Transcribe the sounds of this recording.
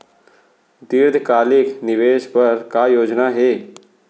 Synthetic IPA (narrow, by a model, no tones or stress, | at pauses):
d̪iɾd̪ʱkaːlɪknɪʋeːʃpɐɾkaːjoːd͡ʒnaːɦeː